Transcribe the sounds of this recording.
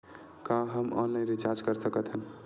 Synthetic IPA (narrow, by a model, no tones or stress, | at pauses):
kãɦəmɔ̰ːnlaɪnɾit͡ʃaɾd͡ʒkəɾsəkət̪ɦən